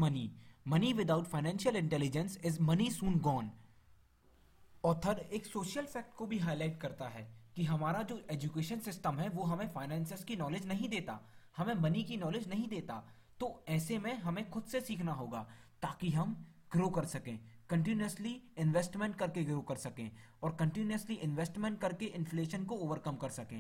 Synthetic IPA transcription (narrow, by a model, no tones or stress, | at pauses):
mɐnimɐniʋɪd̪aʊʈfaːɪnɛ̃ːnʃəlɪ̃ɳʈɛːlɪd͡ʒə̃nsɪzmɐnisũːnɡɔːn | ɔːɾt̪ʰɐɾeːksoːʃjəlsɛːk̚ʈkobʱiɦaːɪlaːɪʈ̚kɐɾt̪aɦɛ̰ːkiɦɐmaːɾad͡ʒoːʔeːd͡ʒukeːʃənsɪsʈəmɦɛʋoɦɐmẽfaːɪnɛ̃ːnsɪskinɔːlɪd͡ʒnɐɦĩd̪eːt̪a̰hɐmẽbɐnikinɔːlɪd͡ʒnɐɦĩd̪eːt̪a | t̪oɛːsemẽɦɐmẽxʊd̪sesiːkʰnaɦoːɡaːt̪aːkiɦɐm | ɡ̥ɾoːkɐɾsɐkẽːkə̃ɳʈɪnuəsliɪ̃nʋeːsʈmɛ̃ɳʈ̚kɐɾkeɡɾoːkɐɾsɐkẽː | ɔːɾkə̃ɳʈɪnuəsliʔɪ̃nʋɛːsʈmɛ̃ɳʈ̚kɐɾkeʔɪ̃nfleːʃənkooːʋəɾkɐmkɐɾsɐkẽː